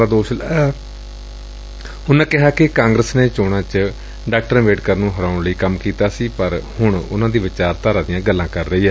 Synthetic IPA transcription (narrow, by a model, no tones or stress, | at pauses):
aːd̪oːʃl | hʊnẽːkɪɦaːkɪkãːŋɡɾəsneːt͡ʃoːɽ̃ãːt͡ʃə | ɖaːk̚ʈəɾʋeːɖkəɾnũːɦəɾaːʊɳləiːkəmkiːt̪aːsiːpəɾhʊɳʊnãːd̪iːʋɪt͡ʃaːɾt̪aːɾaːd̪ɪjãːɡəlːãːkəɾːəiːɛː